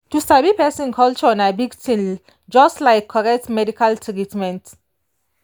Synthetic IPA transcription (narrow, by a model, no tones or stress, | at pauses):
tustabipɛsĩnkʰɔlt͡ʃɔɔ̃nabiɡtĩn | d͡ʒʌstlaɪkʰːɔɹɛk̚tmɛdikaltʰitmɛ̃nt